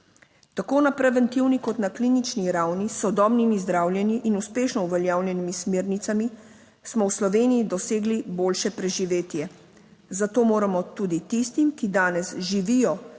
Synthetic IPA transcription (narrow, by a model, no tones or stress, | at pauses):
t̪akoːnapɾɛʋɛnt̪iwnikɔt̪naklinit͡ʃniɾawnisɔd̪ɔːbnimizd̪ɾaːwljɛniʔinuspeːʃnɔuʋɛljaːwlʲjɛnimismeːɾnit̪sami | smɔwslɔʋeːnijid̪ɔseːɡliboːlʃɛpɾɛʒiʋeːt̪jɛ | zat̪oːmoːɾamɔt̪uːd̪it̪ist̪imkid̪aːnɛsʒiʋijɔ